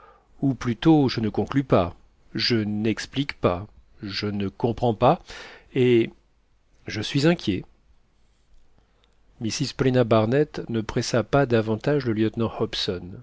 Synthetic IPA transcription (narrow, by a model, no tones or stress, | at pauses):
uplyt̪oʒənəkɔ̃klypa | ʒənɛksplikpa | ʒənəkɔ̃pχɑ̃pae | ʒəsɥizɛ̃kʲʰje | misizpɔlenabaʁnɛt̪nəpχɛsapad̪avɑ̃t̪aʒləljət̪nɑ̃hɔpsɔn